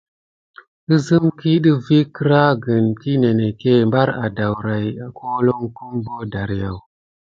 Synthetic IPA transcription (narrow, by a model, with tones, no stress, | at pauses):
i˦zɨ˦mki˦ɗi˦vi˦kɨ˦ɾa˦ɡə˨nki˦ne˨ne˨ke˦mba˦ɾa̰˨da˨wɾa˨ja˨kʰo˦lo˦ŋku˦mbo˦da˨ɾja˨w